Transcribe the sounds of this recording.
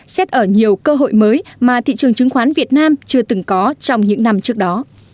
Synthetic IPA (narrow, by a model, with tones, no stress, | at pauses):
sɛ˦˥t̚ʔəː˧˩ɲi˨˩əwkəː˧ɦo̰˧˨jməː˨˦jmaː˨˩t̪ʰḭ˧˨t͡ɕɨ˨˩əŋt͡ɕɨ˨˦ŋxwaː˨˦nvi˨˩ət̚naː˧mt͡ɕɨ˧ət̪ɨ˨˦ŋkɔ˨˦t͡ɕɔ˧wŋ͡mɲɨ̰˧˥ŋna˧mt͡ɕɨ˦˥ək̚ɗɔ˨˦